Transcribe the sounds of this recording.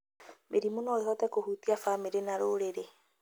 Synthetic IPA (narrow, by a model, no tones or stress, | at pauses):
mʔeɾimonɔehɔtɛkohuːt̪iafameɾenaɾoɾeɾe